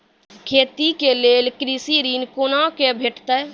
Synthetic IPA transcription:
kʰeːt̪ikeleːlkɾiːsiɾiːnkoːnãkebʱeːʈʰt̪ɛ

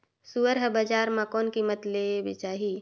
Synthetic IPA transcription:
suəɾɦəbad͡ʒaːɾmãkɔːnkimət̪lebɪ̰t͡ʃaːɦi

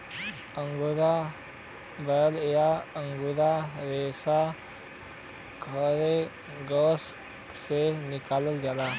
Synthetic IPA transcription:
əŋɡuɾa | bəəljaəŋɡuɾaɾesa | kʰəɾe | ɡəs | senikaləlɡala

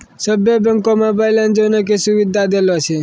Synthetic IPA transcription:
səbjəbəŋkomãbəjland͡ʒonek̬esuʋɪd̪ʱad̪elot͡ʃʰe

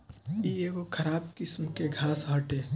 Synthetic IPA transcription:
ieːʋokʰɐɾaːb̚kɪsmkeɡʱaːsɦɔːʈeː

